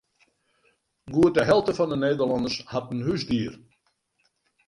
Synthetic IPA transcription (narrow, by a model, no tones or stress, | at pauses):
ɡuət̚dəɦɛlˠtəfɔndəneːdərlɑndəshatn̩hysdiər